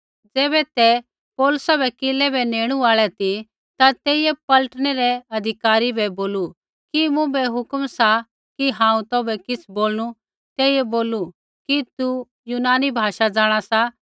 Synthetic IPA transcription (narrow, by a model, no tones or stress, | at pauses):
d͡zɛːβɛt̪ɛ | pɔːlʊsabɛkɪlɛbɛneːɽ̃uaːɭɛt̪i | t̪at̪eːijɛpɐləʈɽ̃ɛɾɛɐd̪ʱɪkaːɾibʱɛboːlu | kimũbɛɦʊkmsa | kiɦãːũt̪ɔːbɛkɪt͡sʰboːlñu | t̪eːijɛboːlu | kit̪u | juːnaːnibʱaːʃad͡zaːɽ̃asa